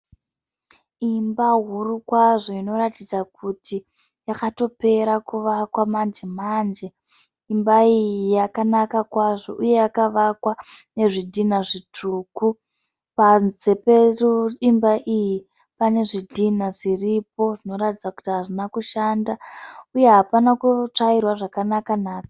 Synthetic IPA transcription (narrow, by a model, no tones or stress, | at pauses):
imbaɦurukwaʐo̞ino̞ɾatid͡zakʰutʰi | jakato̞pe̞ɾakuʋakwamand͡ʒemand͡ʒe̞ | imbaijiijakanakakwaʐo̞ʔuje̞jakaʋakwane̞ʐidʱinaʐitʰuːku | panze̞peruimbaʔiji | pane̞ʐidʱinaʐiripo̞ʐino̞ɾatid͡zaku̥tiɦaʐinakuʃandauje̞ɦapanakut͡ʂairwaʐakanakanaːt͡sḁ